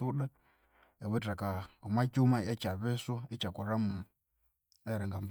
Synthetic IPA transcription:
uɗa | ɛβutakaumat͡ʃumaɛt͡ʃaβɛswait͡ʃakuɾamu | ɛɾɛŋɡam

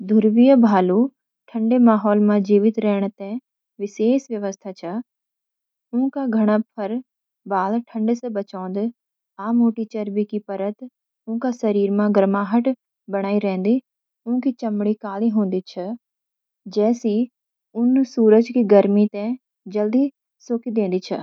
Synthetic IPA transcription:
d̪ʱʊɾʋijəbʱaːlu | ʈʰɐ̃ɳɖemaːɦɔːlmãd͡ʑiːʋɪt̪ɾɐɦɪɽ̃t̪ɛ̃ | ʋɪseːsʋjɐʋəst̪ʰat͡ʃʰa | ũːkaɡʱɐɽ̃apʰɐɾ | baːlʈʰɐ̃ɳɖsẽbɐt͡ʃãːnd̪ɪ | aːmoːʈit͡ɕɐɾbikipɐɾət̪ | ʊ̃kasɐɾiːɾmãɡɐɾmaːɦəʈ | bɐɽ̃aːiɾɛ̃ːn̆d̪i | ʊ̃ɦkʰit͡ɕɐmɽ̃ikaːliɦũːn̆d̪it͡ʃʰɐ | d͡ʑɛːsi | ʊnsuːɾəd͡ʒkiɡɐɾmit̪ɛ̃ | d͡ʑɐld̪i | soːkid̪ẽːn̆d̪it͡ʃʰɐ̰

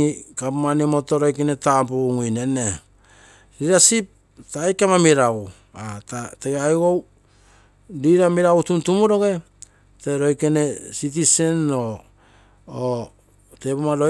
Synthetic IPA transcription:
ikapmanimo̞to̞ɾo̞jkene̞tapuŋujne̞ne | ɾiɾasip̚ | taːjkamamiɾaw | atateɡeajɡo̞w | diɾamiɾawutuntumuɾo̞ɡe̞ | te̞ɾo̞jkene̞sit̬ise̞no̞ | tepumaɾo

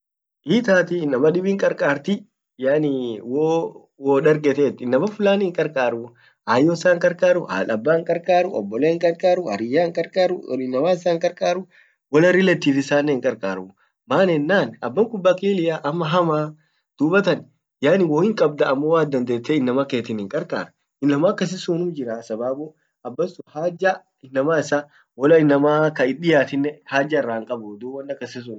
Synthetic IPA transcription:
ʔiːt̪aːt̪ɪnɐmɐᶑɪbiŋkʼɐɾkʼaːɾt̪ɪ | jaːniwo | woːᶑɐɾkʼɛt̪eːt̪ːɪnːɐmɐfʊlaːnɪɪŋkʼɐɾkʼaːɾʊ | aːjːoːɪsaːŋkʼɐɾkʼaːɾʊha̰ːlɐbːaːŋkʼɐɾkʼaːɾʊɔ̰bːɔleːɪŋkʼɐɾkʼaːɾʊhɐ̰ɾɪjːaːŋkʼɐɾkʼaːɾʊ̰lɪnːɐwaːɪsaːŋkʼɐɾkʼaːɾʊ | wɔlɐɾɪlɛt̪ːiːfɪsaːnːɛɪŋkʼɐɾkʼa̰ːɾʊ | maːnɛnːaːnɐbːɐŋkʊbːaːkeːlɪjaːʔɐmːɐɦɐmaː | d̪̥uːbɐt̪ɐn | jaːnɪwɔːhɪŋkʼɐb̚d̪ɐːmːowaːd̪ɐnd̪eːt̪ːeɪnːɐmɐke̞ːt̪ɪnɪŋkʼɐɾkʼa̰ːɾɐ | ɪnːɐmaːkːɐs̬ɪsuːnʊmd͡ʒɪɾasɐbaːbʊ | ɐbːɐsʊhaːd͡ʒa | ɪnːɐmaːɪsaː | wɔlɐɪnːɐmaːkɐɪɗɪjaːt̪ɪnːɛhaːd͡ʒɐɪrːaːŋkʼɐbʊd̪uːbwɐnːɐkːɐsɪs̬un

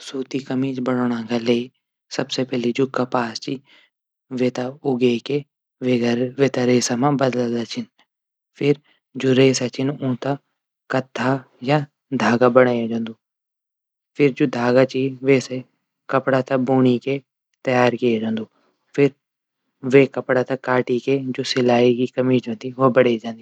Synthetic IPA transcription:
suːt̪ikɐmit͡ʃbəɽoːɽ̃ãkaleː | sɐbsepɛːled͡ʒoːkɐpaːst͡ʃi | ʋet̪aʊɡeke | ʋeɡʋeːt̪aɾeːsamãbəd̪lad̪at͡ʃʰɪn | fʰɪɾ | d͡ʒoːɾeːsat͡ʃɪnũːt̪a | kɐt̪ʰːa | ja | d̪ʱaːɡabəɽ̃aːjad͡ʒãːnd̪uː | pʰɪɾd͡ʒoːd̪ʱaːɡat͡ʃiʋeːse | kɐpɽat̪aboːñike | t̪ɐjaːɾkied͡ʒãːnd̪uː | pʰɪɾ | ʋeːkɐpɽat̪akaːʈiked͡ʒoːsɪlaːikikɐmiːd͡ʒãːnd̪iʋobəɽed͡ʒãːnd̪i

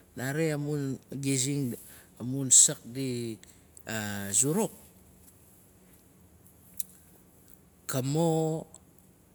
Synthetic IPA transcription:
naɾeamunɡiziŋ | amunsək̚di | azuɾuk̚ | kamo

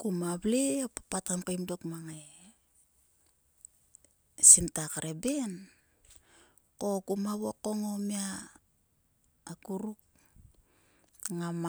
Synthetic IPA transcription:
kumaβleapapatampajmdokmaŋae | sintakaɾʔeben | ko̞kumaβoko̞ŋomia | kuɾuk̚ | ŋam

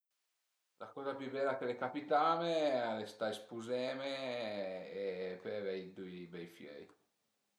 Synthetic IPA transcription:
lakɔːzapjybɛːlakelekapit̪aːmealest̪aespuzɛːmeː | pɛvɛjd̪ujbɛjfjɛ̰j

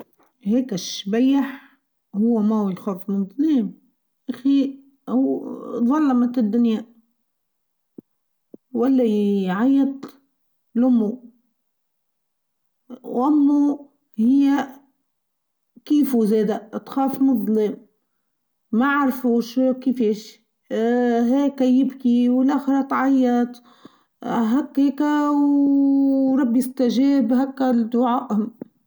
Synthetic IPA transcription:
heːkɪʃbajːaħ | hʊwːamawɪlxaːfmʊnðˤlim | ʔaxi | huðˤɑlːɑmat̪ɪd̪ːʊnja | walːaʕajːat̪ | lʊmːu | ʔamːu | hɪjːa | kiːfuzeːd̪at̪xaːfmʊðˤləm | aʕɑɾˤfuːʃkɪfeːʃ | ɦeːkæjɪbkiwɪlʔæxɾˤɑt̪ʕajːɑt̪ˤ | ɦækːeːkaw | ɾˤɑbːijɪst̪aʒeːbɦakːæd̪ʊʕaːʔm

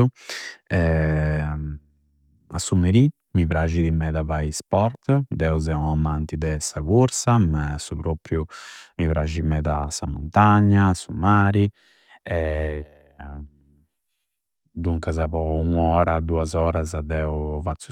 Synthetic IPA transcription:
u | ɛ | asumeɾi | mivɾaʒiðimɛðavaispɔɾt̪d̪ɛuzɛunamant̪id̪ɛsaɣuɾsamasupɾopɾjumivɾaʒimɛðasamunt̪aɲːasumaːɾi | ɛ | d̪uŋkazaβɔuŋɔːɾad̪uazɔːɾazad̪ɛuvat̪sːu

